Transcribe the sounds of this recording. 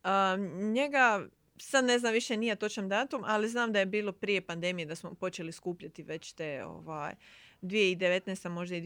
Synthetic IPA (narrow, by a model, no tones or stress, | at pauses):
əɲe̞ɡa | sad̪ne̞znamʋiʃenijat̪o̞t͡ʃamd̪aːt̪umʔaliznaːmd̪aje̞biːlo̞pɾije̞pand̪e̞mije̞d̪asmo̞po̞t͡ʃe̞liskuːpʎat̪iʋe̞t͡ɕt̪eːo̰ʋa̰ːjd̪ʋijeid̪eʋe̞t̪nest̪amo̞ʒd̪aid̪